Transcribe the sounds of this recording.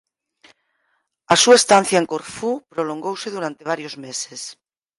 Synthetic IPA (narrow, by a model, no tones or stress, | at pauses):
ɐsuaest̪an̟θjaeŋkoɾfupɾoloŋɡowseðuɾant̪eβ̞aɾjozmeses